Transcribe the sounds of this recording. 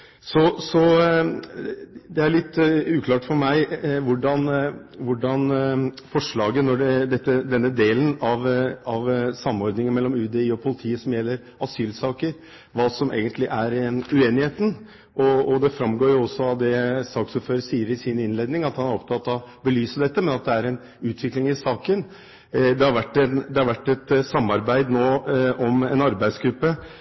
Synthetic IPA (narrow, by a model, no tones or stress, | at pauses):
sɔsɔ | d̪ɛæɭɪt̪ːʉːkʰlɑːʈfɔɾmæɪʋʊɖɑnʋʊɖɑnfɔʂɭɑːɡənɔɖɛd̪ɛt̪ːəd̪ɛnːəd̪eːlənɑʋɑʋsɑmːɔɾd̪nɪŋənmɛlːɔmʉːd̪ɛɪːɔpʰʊlɪt̪ʰiːəsɔmjɛlːəɾ | ɑsyːlsɑːkəɾ | ʋɑːsɔmʔḛːɡənt̪ʰlɪʔæɾʉeːnɪheːt̪ən̩ | ʔɔɔd̪ɛfɾɑmɡoːɾjʊɔsːɔɑʋd̪ɛsɑːksuːpføːɾəsiːəɾɪsɪnɪnleːd̪nɪŋɑt̪hɑnæɾɔpt̪ʰɑt̪ːɑʋbəlyːsəd̪ɛt̪ːəmɛnɑt̪̚d̪ɛæɾɛn | ʉːt̪ʰʋɪklɪŋɪsɑːkən | d̪ɛhɑɾʋæʈːɛnd̪ɛhɑɾʋæʈːɛt̪sɑmːɑɾbæɪd̪noːʔɔmɛnɑɾbæɪsɡɾʉpːə